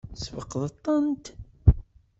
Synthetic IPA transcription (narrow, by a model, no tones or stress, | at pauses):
svəqːðˤət̪ˤːənt̪